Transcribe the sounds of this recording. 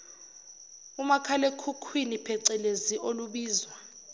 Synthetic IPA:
umakʰalekʰukʰwinipʰɛǀɛleziʔoluɓiːzwa

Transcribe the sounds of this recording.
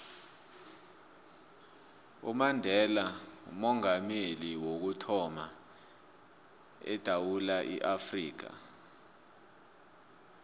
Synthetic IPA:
ṵmandʱɛlaṵmɔŋameliwok̬utʰɔma | ɛ̰d̥ʱawulaʔḭʔafriːk̬a̰

